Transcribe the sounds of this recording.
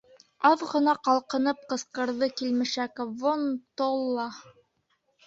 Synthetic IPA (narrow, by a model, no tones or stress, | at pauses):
ɑðʁɤ̆nɑqɑlˠqɤ̆nɤp̚qɤ̆sqɤ̆ɾðɤkilmɘ̆ʃækvont̪olˠːɑ